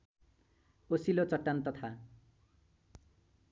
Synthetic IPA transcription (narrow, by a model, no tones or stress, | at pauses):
osilot͡sʌʈːant̪ʌt̪ʰa